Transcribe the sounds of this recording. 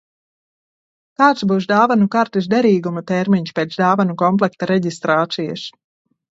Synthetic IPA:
kaːt̪sbuːʃ̬d̪aːvanukaɾt̪isd̪ɛɾiːɡumat̪ɛɾmiɲʃpʲeːt̪sd̪aːvanukɔmp̬lˠɛk̚t̪aɾɛɟist̪ɾaːt̪sija̰s

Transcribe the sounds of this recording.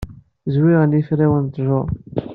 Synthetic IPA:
zwiʁənjifɾæwənt̪ˤʒo

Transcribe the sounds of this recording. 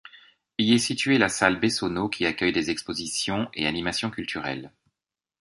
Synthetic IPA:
ilɛsit̪ɥelasalbesonokʲʰiakʲœjd̪ezɛkspozisjɔ̃ʔḛanimasjɔ̃kʲylt̪ʰyʁɛ̰l

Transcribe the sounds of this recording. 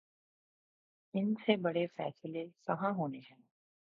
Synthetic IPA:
ɪnsebɐɽefɛ̰ːsɪlesɐɦãɦoːneɦɛ̃ː

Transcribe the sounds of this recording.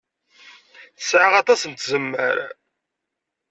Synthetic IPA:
θəsʕaʁɑt̪ˤɑsənt̪zəmːəɾa̰

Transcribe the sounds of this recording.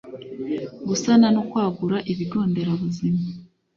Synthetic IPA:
ɡusanano̞kwaːɡuɾaʔiβiɡo̞ːnde̞ɾaβuzima

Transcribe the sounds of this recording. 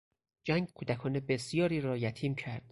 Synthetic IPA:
d͡ʒæŋɡ̚kʰuːd̪ækʰɒːnebe̞sijɒːɾiːɾɒːjæt̪ʰiːmcʰæɾd̪̥

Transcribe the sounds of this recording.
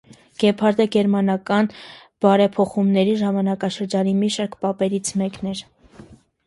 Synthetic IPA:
ɡ̥ɛpʰɑɾd̪ɛɡɛɾmɑnɑkɑn | b̥ɑɾɛpʰɔχumnɛɾiʒɑmɑnɑkɑʃəɾd͡ʒɑnimiʃɑɾkpɑpɛɾit͡sʰmɛknɛɾ

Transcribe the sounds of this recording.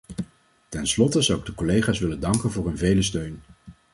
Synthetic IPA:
tɛnslɔtəzʌwɪɡ̚dəkɔlejχaːsʋɪləndɑŋkənvʊːɹɦɵnvejləstøɥn

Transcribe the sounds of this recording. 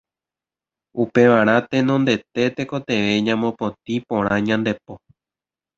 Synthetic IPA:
upe̞ʋaɾ̃ãt̪ẽ̞nõnd̪e̞t̪e̞t̪e̞ko̞t̪e̞ʋe̞ɲãmõpõ̞t̪̚ipõ̞ɾ̃ãɲãnd̪e̞p̚o̞

